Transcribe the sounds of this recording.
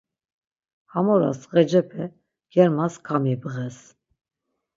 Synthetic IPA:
hamɔɾa̰sʁɛd͡ʒɛpʰɛ | ɡ̥jɛɾmaskʰamɛbəʁɛs

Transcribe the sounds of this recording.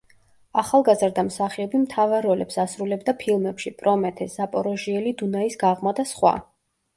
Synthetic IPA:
aχalˠɡazɾd̪amsaχiɔbimt̪ʰavaɾɔlɛpsasɾulɛbd̪apʰilˠmɛpʃipʼɾɔmɛt̪ʰɛsapʼɔɾɔʒiɛlid̪unaisɡaʁmad̪asχwa̰

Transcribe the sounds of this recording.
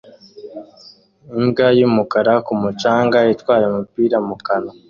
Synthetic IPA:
imɡajumukaɾakumut͡ʃaːŋɡaitwaːɾemupiːɾamukana

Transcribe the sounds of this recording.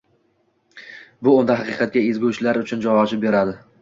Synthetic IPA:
bʊʊnd̪aɦɑqɨqʰɑt̪̚kʲaezɡʲut͡ʃlaɾʊt͡ʃʰʊnd͡ʒawɒʃɪp̚be̞ɾad̪ɪ

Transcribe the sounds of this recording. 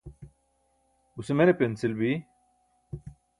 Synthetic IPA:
usemenepent͡silbi

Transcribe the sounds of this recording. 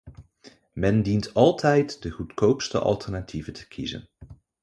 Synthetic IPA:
mɛndintɑlˠtʰɛjtdəχutkowpstə̰ʔɑ̰lˠtɛɹnatʰivətʰə̥kʰizə̰n

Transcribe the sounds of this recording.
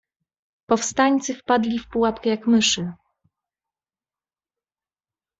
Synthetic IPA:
pɔfst̪aɲʲt̪sɘfpad̪lʲifpuwapkɛjakmɘʂɘ

